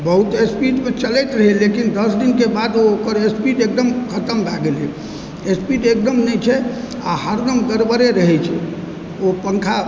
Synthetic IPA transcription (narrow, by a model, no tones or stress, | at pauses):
bəɦut̪espiʈmẽt͡ʃəlɛjt̪ɾəɦɛlekind̪əsd̪inkebad̪ookəɾespiɖek̚d̪əmkʰət̪əmbʱaɡelɛ̰ | espiɖek̚d̪əmnɛt͡ʃʰɛ | a̰ɦəɾd̪əmɡəɾbəɾeɾəɦɛt͡ʃʰɛ | opəŋkʰa